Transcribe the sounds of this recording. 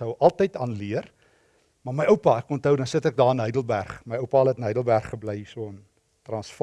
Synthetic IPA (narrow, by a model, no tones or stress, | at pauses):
əwʔɐlˠtəjtɑːnliər | mɑrməjəwpɐækɔntɦəwdɐnsətɛk̚dɑːənɦœjdəlˠbærχməjəwpɑləɛtənəjdəlˠbærχːəbləjsuəən | trɑnsf